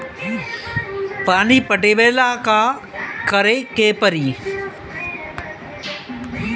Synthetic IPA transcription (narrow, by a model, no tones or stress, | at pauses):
paːniːpəʈeːʋeːlaːkaː | kəɾeːkeːpəɾiː